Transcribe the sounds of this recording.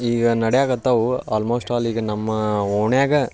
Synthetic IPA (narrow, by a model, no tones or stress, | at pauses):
iːɡɐnɐɽɛjaːɡɐt̪ːɐʋua̰ːlmoːsʈaːliːɡɐnɐmːɐoːɳjaːɡɐ